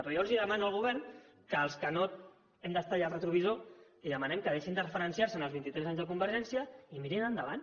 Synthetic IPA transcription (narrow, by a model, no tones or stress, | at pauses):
pɾiɔɾziðəmanuəlˠɣuβɛɾn | kəːlˠskəno | ɛmd̪əst̪ajarət̪ɾuβ̞izo | iðəmənɛmkəðeʃind̪ərəfəɾənsiaɾsənəlˠzβint̪it̪ɾɛzaɲzðəkumbəɾʒɛnsijəimiɾinənd̪əβ̞an